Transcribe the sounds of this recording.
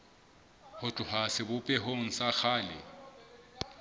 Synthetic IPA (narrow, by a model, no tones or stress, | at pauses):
hʊt͡ɬʼʊhasɪbʊpʼɛɦoŋ̩saxʰaːlɪ̰